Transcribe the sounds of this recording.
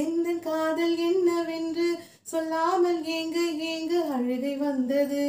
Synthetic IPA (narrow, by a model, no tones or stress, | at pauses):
ɛnd̪ɐkaːðɐlɛnːɐʋɛndrɯ | sɔlːaːmɐleŋɡɯeːŋɡɯɐɻɯɣɐɪʋɐnd̪ɐðɯ